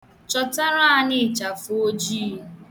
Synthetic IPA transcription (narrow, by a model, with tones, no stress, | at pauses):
t͡ʃɔ˨ta˦ɾa˦a˦˨nɪ˦˨t͡ʃa˨fo˦d͡ʒi˦˨